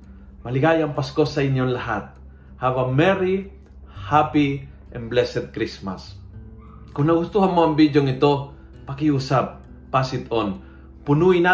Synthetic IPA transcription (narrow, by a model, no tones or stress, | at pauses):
mɐlɪɡajɐŋpaskosɐɪnjonlɐɦat̪̚ | haːbaŋmɛɾi | hapi | ʔɛnblɛsɛt̪̚kɾisma̰s | kʊŋnɐɡʊst̪uːhanmoɐŋbid̪joŋɪt̪o̞ | pɐkɪuːsap̚ː | asɪt̪on | pʊnuːɪna